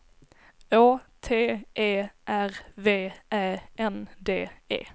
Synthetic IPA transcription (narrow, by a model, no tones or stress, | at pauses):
oːt̪ʰeːʔeːʔæʁveːʔæʔɛnd̪eːḛː